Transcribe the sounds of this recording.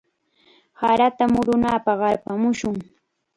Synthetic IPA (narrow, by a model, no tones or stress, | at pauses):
haɾat̪amʊɾʊnaːpɑɢɑɾpamʊʃʊŋ